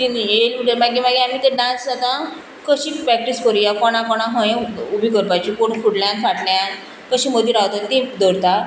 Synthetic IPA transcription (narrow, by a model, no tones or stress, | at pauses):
t̪injelmuʈəɾmaɡemaɡeam̤it̪eɖãnsat̪ã | kəɕipɾɛk̚ʈispɔɾijakɔɽ̃ãkɔɽ̃ãɦə̃jẽubʱikəɾpajt͡ɕikoɳ̤kuɽlãnsʋaʈljan | kəɕĩməd̪ʱiɾawt̪at̪ĩd̪əɾt̪a